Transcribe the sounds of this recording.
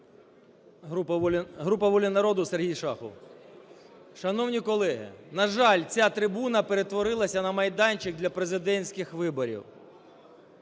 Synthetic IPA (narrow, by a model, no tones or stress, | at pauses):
ɦɾupɐʋɔlʲɪnɐɾɔd̪ʊserɦijʃɑxɔ̰w | ʃɐnɔwnʲikɔlˠɛɦɪ̰nɐʒɑlʲt͡sʲat̪ɾɪbunɐpeɾe̞t̪ʋɔɾɪlˠɐsʲɐnɐmɐjd̪ɑnʲt͡ʃɪk̚d̪lʲɐpɾezɪd̪ɛnʲsʲkɪxʋɪbɔɾʲḭw